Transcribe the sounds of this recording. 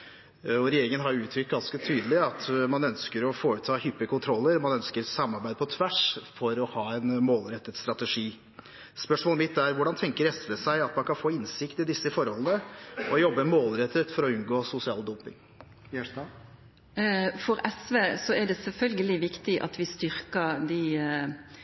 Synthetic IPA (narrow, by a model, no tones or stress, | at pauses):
ɔɾɛjeːɾɪŋənɦɑɾjʊʉːt̪ʰɾʏk̚t̪̚ɡɑnskət̪ʰyːd̪əlɪɑt̪mɑnœnskəɾɔfoːʉt̪ʰɑːhʏpːəkʊnt̪ʰɾɔlːəɾmɑnœnskəɾsɑmːɑɾbæɪd̪əpɔt̪ʰʋæʂfɔɾɔhɑːɛnmoːlɾɛt̪ːət̪st̪ɾɑt̪əʂiː | spœʂmoːləmɪt̪ːæɾʋʊɖɑnt̪ʰɛŋkəɾɛsləsæɪɑt̪mɑnkʰɑnfoːɪnsɪkt̪ɪd̪ɪsːəfɔɾhɔlənəɔjɔbːəmoːlɾɛt̪ːət̪fɔɾɔʉnɡoːsʊsɪɑ̰ːld̪ɔmpɪ̰ŋ | fɔɾɛsʋeːsɔæɖɛsɛlfœlɡəlɪʋɪkt̪ɪʔɑ̰t̪ʋɪst̪ʏɾkəɾd̪ɪ